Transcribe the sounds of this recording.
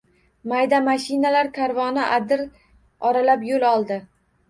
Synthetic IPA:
majd̪amaʃɪnalaɾkʰaɾvɒnɪʔad̪ɪɾ | ɒɾalapjolɒlˠd̪ɪ

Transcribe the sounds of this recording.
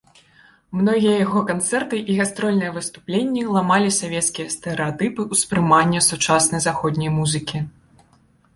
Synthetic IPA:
mnɔɣʲijɐjaɣɔkant̪sɛrt̪ɨʔiɣast̪ɾɔlʲnɨjɐvɨst̪uplʲenʲːilˠamalʲisavʲɛt̪skʲijɐst̪ɛɾɛat̪ɨpɨuspɾɨmanʲːɐsut͡ʂasnɐjzaxɔd̪ʲnʲɐjmuzɨkʲi

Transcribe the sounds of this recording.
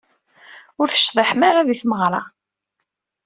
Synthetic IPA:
ʊɾθə̥ʃðˤiħmaɾæðiθməʁɾˤɑ

